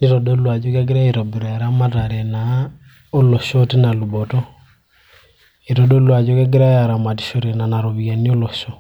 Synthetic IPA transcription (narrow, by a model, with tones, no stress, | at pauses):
ni˦tɔ˨ɗɔ˦lwa˨d͡ʒo˦ka˦ɡ̬i˦ɾa˦i˨ɾɔ˨bi˨ɾa˨a˨ɾa˦ma˦ta˨ɾɛ˨na˨ | o˦lɔ˨ʃɔ˦te˦na˨lu˨bɔ˨tɔ˦ | i˨tɔ˨ɗɔ˦lwa˨d͡ʒo˦ka˦ɡ̬i˦ɾa˦ja˨ɾa˨ma˨ti̥˨ʃo˨ɾe˨na˨na˨ɾo˨βia˨ni˦o˦lɔ˨ʃɔ˦